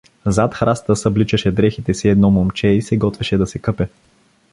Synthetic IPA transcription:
zat̪xɾast̪əsɐblit͡ʃɐʃɛd̪ɾɛxit̪ɛsiɛd̪nɔmomt͡ʃɛisɛɡɔt̪vɛʃɛd̪ɐsɛkɤpɛ

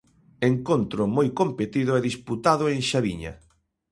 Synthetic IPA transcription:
eŋkont̪ɾʊmojkompet̪iðʊɛðisput̪aðʊeŋʃaβiɲɐ̰

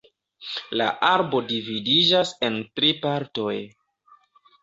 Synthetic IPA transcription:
la̰ʔaɾbo̞dividid͡ʒase̞ntɾipaɾto̞j

